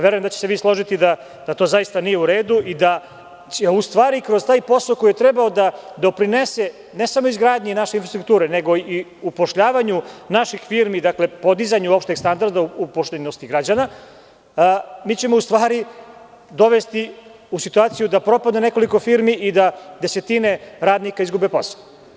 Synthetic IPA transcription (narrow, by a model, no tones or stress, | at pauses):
ʋe̞ɾujemd̪at͡ɕe̥seʋiːslˠo̞ʒit̪id̪a | d̪̥at̪o̞ːzajist̪anije̞uɾe̞ːd̪uʔid̪a | eust̪ʋaːɾikɾo̞z̥t̪aːjpo̞solkojet̪ɾe̞baod̪ad̪o̞pɾine̞se̞ | ne̞samo̞izɡɾaːd̪ɲenaʃeinfɾast̪ɾukt̪uːɾeneɡo̞iupo̞ʃʎaːʋaɲunaʃixfiɾmid̪akle̞po̞d̪izaɲuopʃt̪neɡst̪and̪aɾd̪auupoʃt̪enost̪iɡɾad͡ʑana | miːt͡ɕe̞mo̞ust̪ʋaːɾi | d̪o̞ʋe̞st̪i | usit̪uaːt̪sijud̪apɾo̞pad̪nene̞ko̞liko̞fiɾmiʔid̪ad̪e̞se̞t̪ine̞ɾaːd̪nikaizɡube̞po̞̰sḁo